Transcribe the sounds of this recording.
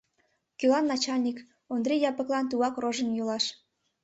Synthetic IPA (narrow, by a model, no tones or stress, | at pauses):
kylɑnːɑt͡ɕɑlʲnʲik | ond̪rʲejɑpə̆klɑnt̪uɑkroʒənjulɑʃ